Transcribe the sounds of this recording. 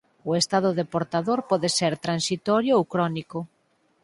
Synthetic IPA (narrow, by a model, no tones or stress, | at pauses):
ʊest̪aðʊðepoɾt̪aðoɾpɔðeseɾt̪ɾansit̪ɔɾjʊowkɾɔnikʊ